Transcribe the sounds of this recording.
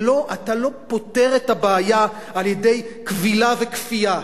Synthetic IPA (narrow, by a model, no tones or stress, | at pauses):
lo̞ʔatalo̞po̞te̞ʁetabaːja | aljedejkvilavekfia